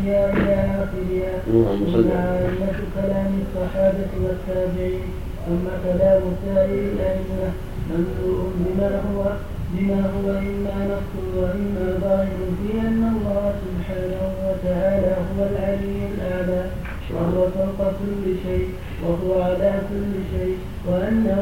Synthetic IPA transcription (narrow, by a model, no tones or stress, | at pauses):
jaːwlaːnafɪlɪja | ʔamːaʕaʔɪmːat̪kalaːmɪsˤːɑħaːbawat̪ːaːbɪʕiːn | ʔamːakalaːmʊt̪ːaːɾiɾɪlʔansɪɾa | mamsuːʔʊnbɪmaːɦʊwa | bɪmaːhʊwaʔɪmːaːnɑfsʊɑmɪmːaːðˤɑːhɪɾʊfiːʔanːɑlˤːɑːhsʊbħaːnahʊwat̪aʕaːlaːɦʊwalʕaziːmalʔaʕlaː | wahʊwasˤɑlt̪ˤɑkʊlːɪʃajʔ | waɦʊwaʕalaːkʊlːɪʃajʔ | wɪʔanːa